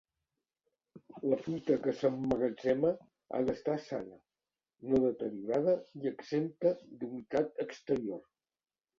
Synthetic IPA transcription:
ləfɾut̪əkəsəmːəɣəd͡ʒɛmə | a̰ðəst̪asanə | noðət̪əɾjuɾað̞əiəɡsemt̪əd̪unit̪at̪əkst̪əɾior

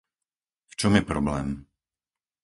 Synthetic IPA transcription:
ft͡ʃɔmjɛpɾɔblɛːm

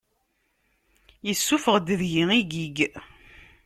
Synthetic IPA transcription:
jəsːufəʁd̪ðjiiɡiɡ

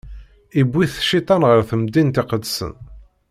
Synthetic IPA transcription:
ibːiθʃit̪ˤɑnʁəɾθəmd̪int̪ɪqəd̪sə̰n

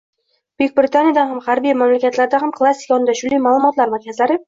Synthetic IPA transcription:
b̥k̚ʲbɾɪt̪ʰanjad̪anhamhaɾbijmamlakʲat̪laɾd̪ahamkʰlˠasːi̥kʰnd̪aʃʊlijmaːlˠʊmɒt̪laɾmaɾkʲʰazlaɾɪ

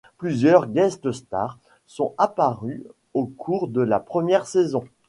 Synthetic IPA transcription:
plyzjœʁɡʲɛst̪əst̪a̰ʁ | sɔ̃apaʁy | okʰuʁd̪əlapχəmjɛʁsezɔ̃

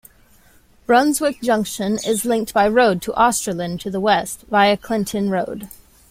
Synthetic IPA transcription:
b̥ɹʌ̃nzwɪk̚d̥ʒ̥ʌ̃ŋkʃɨ̃nɪzlɪ̃ŋk̚t̚b̥aɪɹoʊd̚tʰəʔɑstɹ̥əlˠɨ̃ntʰɨðəwɛstvaɪɨkʰl̥ɪ̃ntʰɨ̃nɹoʊd̥

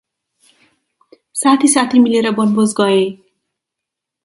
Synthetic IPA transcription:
sat̪ʰisat̪ʰimileɾʌbʌnbozɡʌe

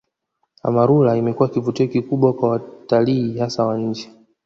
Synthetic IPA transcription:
a̰maɾulaimɛkuwakivutiɔkikuɓwakwawataliːhasawaɲ̩d͡ʒɛ

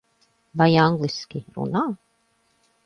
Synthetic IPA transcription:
vajaŋɡlˠiskʲiɾṵnaː

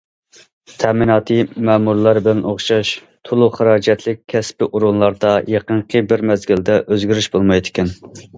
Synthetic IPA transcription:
t̪ʰɛminɑːt̪ʰɨmæːmuɾlˠɑɾbɪlɛnʔoχʃɑʃ | t̪ʰolˠʊχəɾɑːd͡ʒɛt̪ʰlɪk̚ʲʰːɛspɪʔuɾunlˠɑɾd̪ɑjɑqənqʰəbɪɾmɛzɡʲɪld̪ɛʔøzɡʲyɾyʃbolˠmɑjd̪ɪkʲʰɛn

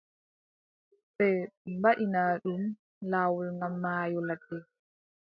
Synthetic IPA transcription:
ɓɛmbaɗinaːɗum | laːwɔlŋɡamːaːjɔladɛ

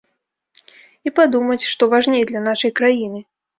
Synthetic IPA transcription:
ipad̪umɐt͡sʲʂt̪ɔvaʐnʲejd̪lʲɐnaʂɐjkɾajinɨ

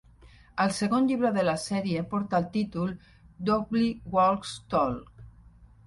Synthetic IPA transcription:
əlseɣonʎiβ̞ɾəðəlasɛɾiepɔɾt̪aːlˠt̪it̪ulˠ | d̪oɡliwolkst̪ɔlk

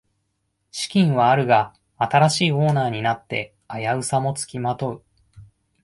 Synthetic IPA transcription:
ɕi̥kʲĩɰ̃βaːɾɯ̟ɡa | at̪aɾaɕiːo̞ːnaːɲ̟inat̪ːe̞ | ajaɯ̟samo̞t͡sɨ̥kʲimat̪o̞ɯ̟

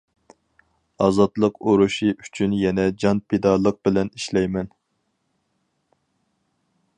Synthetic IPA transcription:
ɑzɑt̪lˠəqoɾuʃiʔyt͡ʃʰynjɛnɛd͡ʒɑnpʰed̪ɑlˠəq̚bɪlɛniʃlɛjmɛn

